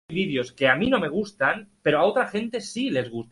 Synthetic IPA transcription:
βiðjo̞ske̞amino̞me̞ɣ̞ust̪anpe̞ɾoao̞t̪ɾaxe̞nt̪e̞sile̞zɣ̞us

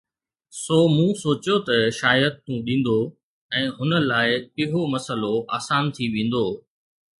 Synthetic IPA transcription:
soːmũsoːt͡ɕjot̪ɐʃaːjət̪ːũːɗĩːn̆d̪o | ɛ̃ːɦʊnə̆laːɪpɪɦomɐsəloʔaːsaːnt̪ʰiʋẽːn̆d̪oː

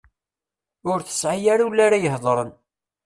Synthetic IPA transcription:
ʊɾθə̥sʕajaɾulːaɾajəhðˤɾˤən

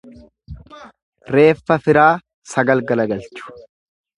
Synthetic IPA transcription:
ɾe̞ːfːɐfɪɾaː | sɐɡɐlɡɐlɐɡɐlt͡ʃʊ̥

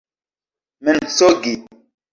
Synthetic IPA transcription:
mən̩soɡi

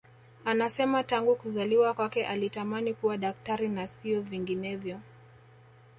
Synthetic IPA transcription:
anasɛmataŋɡukuzaliwakwakɛʔalitamanikuwaɗak̚taɾinasiɔviŋɡinɛvjɔ

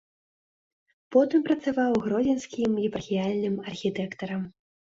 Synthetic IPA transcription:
pɔt̪ɨmpɾɐt̪savawɣɾɔd͡zʲinskʲimɣʲipɐrxʲijalʲnɨmɐrxʲit̪ɛkt̪ɐɾɐm

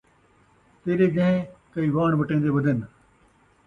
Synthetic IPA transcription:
t̪eːɾeːd͡ʒə̃ːẽkəiːʋaːɳʋəʈẽːnd̪eːʋəd̪ʱɪn

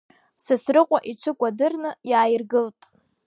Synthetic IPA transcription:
sɨsrɨqʷʼaʔiʈ͡ʂʰɨkʷʼadɨrnɨjaːjɪrɡɨltʼ

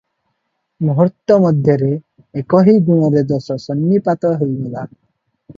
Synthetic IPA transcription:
mɔɦɔɾt̪ːɔmɔd̪ʱjɔɾeː | kɔɦiɡuɽ̃ɔɾed̪ɔsɔsɔnːipat̪ɔɦejnila

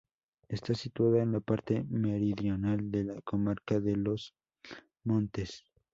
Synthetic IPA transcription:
est̪asit̪waðaenlapaɾt̪e̞me̞ɾiðjo̞nald̪e̞lakomaɾkaðe̞lo̞s | mõ̞nt̪e̞s

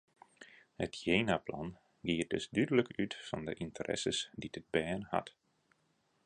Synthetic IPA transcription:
hətjeːnaplɑn | ɡiːər̚dɵsdydələkytfɔndə̰ʔintərʔɛ̰səsdidəd̚bɛːnhɑ̰t

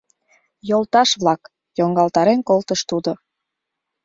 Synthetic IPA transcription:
jolt̪ɑʃβlɑk | joŋɡɑlt̪ɑɾenkolt̪əʃt̪ud̪o

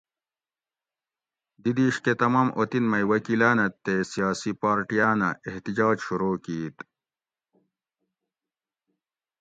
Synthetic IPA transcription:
d̪id̪iːʂket̪ɐmaːmʔot̪inmɐjwɐkilaːnɐt̪ːesijaːsipaːɾʈijaːnɐ̰eht̪id͡ʑaːd͡ʑɕuɾoːkiːt̪

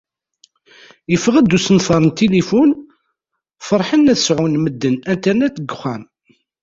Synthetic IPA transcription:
jəfəʁæd̪ːusənθɑɾˤənt̪elifun | fəɾˤħənæθəsʕunməd̪ːənænt̪əɾnæt̪ːɡːəχːæn

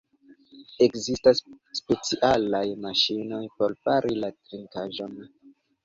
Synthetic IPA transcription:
e̞kzistasːpe̞t͡siʔalajmaʃino̞jpo̞ɾpaɾʔilatɾiŋkaʒon

